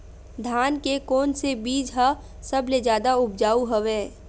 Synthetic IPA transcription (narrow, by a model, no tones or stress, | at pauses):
d̪ʱaːnkekoːnsebiːd͡ʒɦə | səbled͡ʒjaːd̪aʊb̚d͡ʒaːuɦəʋeː